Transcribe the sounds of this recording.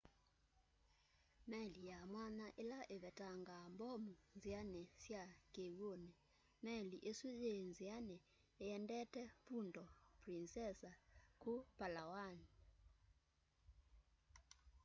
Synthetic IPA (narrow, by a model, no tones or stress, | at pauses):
mɛlijamwanaʔelaʔeβɛtʼaŋɡambɔmund͡zianɛsjakewonɛ | mɛliʔeswizend͡zianɛː | jɛndɛtɛfundɔprinsɛsakupalawani